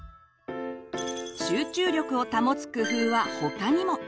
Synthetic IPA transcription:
ɕɨːt͡ɕɨːɾʲo̞kɯ̟o̞t̪amo̞t͡sɨ̥kɯ̟ɸɯɯβaho̞kaɲ̟imo̞

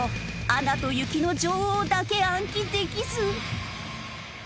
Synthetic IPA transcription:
oanat̪o̞jɯ̟kʲino̞d͡ʑoːhoːd̪ake̞ãŋkʲid̪e̞kʲizɨ

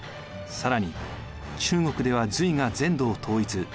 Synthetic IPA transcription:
saɾaɲ̟i | t͡ɕɨːŋo̞kɯ̟d̪e̞β̞azɨiŋad͡zẽ̞nd̪o̞ːt̪ʰo̞ːit͡sɨ

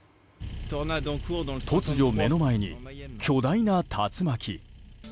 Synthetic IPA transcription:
t̪ɔʁnad̪ɑ̃kuʁd̪ɑ̃t̪ʰo̞t͡sɨʑo̞me̞no̞mae̞ɲ̟ḭkʲʰo̞d̪ainat̪ʰat͡sɨmakʲʰi

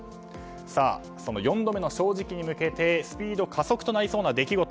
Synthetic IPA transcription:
sa̰ː | so̞nojõ̞nd̪o̞me̞no̞ɕo̞ːʑikʲiɲ̟imɯ̟ke̞t̪e̞sɨ̥pʲiːd̪o̞kʰaso̞kɯ̥t̪o̞naɾiso̞ːnad̪e̞kʲiɡo̞t̪o

